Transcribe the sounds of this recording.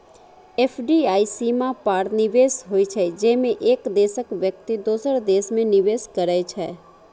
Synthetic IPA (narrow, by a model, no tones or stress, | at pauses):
eːpʰɖiaːisiːmãpaːɾnɪʋeːsɦoːit͡ʃʰɛd͡ʒɛːmẽʔeːkd̪eːsəkʋjək̚t̪id̪uːsəɾd̪eːsmẽnɪʋeːskəɾəet͡ʃʰɛː